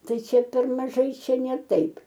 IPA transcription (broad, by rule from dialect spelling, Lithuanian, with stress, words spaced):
ˈtɐɪ ˈt͡ʃʲɛ pʲɛr mɐˈʒɐɪ ˈt͡ʃʲɛ nʲɛ ˈtɐɪp